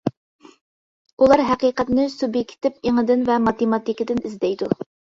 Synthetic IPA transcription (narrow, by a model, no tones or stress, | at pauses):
ulˠɑɾɦæqiːqɛt̪nɪsubjekʲt̪ʰɪp̚iŋəd̪ɪnvɛmɑt̪emɑt̪ikʲɪd̪ɪnɪzd̪ɛjd̪u